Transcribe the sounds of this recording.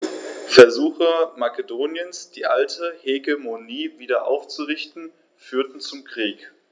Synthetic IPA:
fɛɐzuːxəmakədoːnjənsd̥iːʔaltʰəheɡemoniːviːdɐʔa̰ʊft͡suʁɪçtn̩ | fyːɐtn̩t͡sʊmkʁ̥iːk

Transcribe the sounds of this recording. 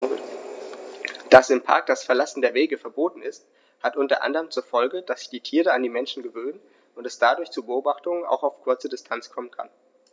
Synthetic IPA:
d̥asɪmpʰa̰ɐk̚d̥asfɛɐlasn̩deːɐveːɡəfɛɐboːtn̩ɪst̚ | hatʔʊntɐ̰ʔa̰ndəʁəmt͡suːɐfɔlɡəd̥asz̥ɪ̥çd̥iːtʰiːʁəandiːmɛnʃn̩ɡəvøːnən | ʊntɛsd̥adʊɐçt͡suːbəʔoːbaχtʊŋəna̰ʊxaʊfkʰʊɐt͡sədɪstʰant͡skʰɔmənkʰa̰n

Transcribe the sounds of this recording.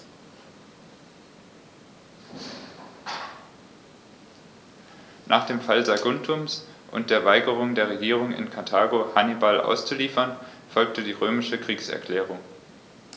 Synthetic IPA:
nʔaːχd̥eːmfalzaɡʊntʰʊmsʔʊ̰nt̚d̥eːɐvaɪɡəʁ̞ʊŋdeːɐʁ̞eɡiːʁ̞ʊŋɪ̰nkʰatʰaːɡohanibalʔa̰ʊst͡suliːfɐn | fɔlk̚tədiːʁøːmɪʃəkʁ̥iːksɛ̰ɐkʰl̥ɛːʁ̞ʊŋ

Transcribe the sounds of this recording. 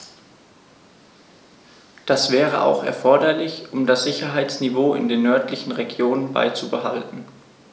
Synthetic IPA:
d̥asv̥ɛːʁəʔa̰ʊxɛ̰ɐfɔɐdɐlɪçʔʊmdasz̥ɪçɐɦaɪt͡snivoːɪ̰ndeːnːœɐtʰlɪçn̩ʁeɡjoːnənba̰ɪt͡subəɦaltn̩

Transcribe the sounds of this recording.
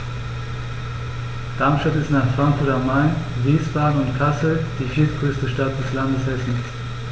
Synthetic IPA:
d̥aɐmʃtatɪstnaːχfʁ̥aŋkfʊɐtamaɪnviːsb̥aːɡŋ̩ʊntkʰasl̩d̥iːfiːɐt̚ɡ̥ʁøːstəʃtat̚d̥ɛslandəsvɛsn̩s

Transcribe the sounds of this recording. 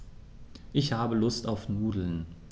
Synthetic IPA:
ʔɪçhaːbəlʊstaʊfnuːdl̩n

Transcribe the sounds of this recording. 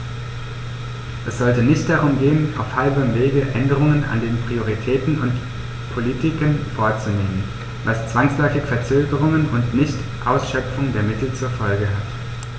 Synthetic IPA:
ʔɛsz̥ɔltənɪçt̚d̥aʁ̞ʊmɡeːəna̰ʊfhaɪbəʁəmveːɡəʔɛndəʁ̞ʊŋənʔa̰ndeːnpʁ̥ioʁ̞itʰɛːtn̩ʊnt | pʰolitʰɪkənfoːɐt͡suneːmən | vast͡sv̥aŋslɔʏfɪçfɛɐt͡søːɡəʁ̞ʊŋənʊntnɪçt | ʔaʊsʃœpp͡fʊŋdeːɐmɪtl̩t͡suːɐfɔlɡəɦat

